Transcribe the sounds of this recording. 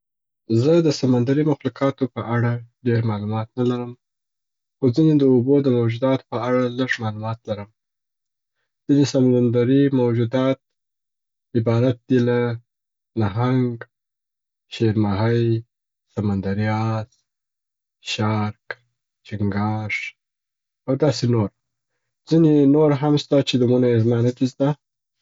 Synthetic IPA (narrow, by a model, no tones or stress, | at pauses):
zəd̪əsamand̪aɾimaxlukɑt̪opəʔaɽaɖeɾmɑlumɑt̪nalaɾəm | xozined̪əobod̪əmawd͡ʒud̪ɑt̪o̥pəaɽaləʐmɑlumɑt̪laɾəm | z̥inesamand̪aɾimawd͡ʒud̪ɑt̪̚ | ɪbɑɾat̪̚d̪ila | naɦaŋɡ | ʃeɾmaɦaj | samand̪aɾijɑz | ʃɑɾk | t͡ʃɪŋɡɑʂ | awd̪ɑsenoɾ | zinenoɾɦamst̪at͡ʃed̪əmunaezmɑnat̪ist̪a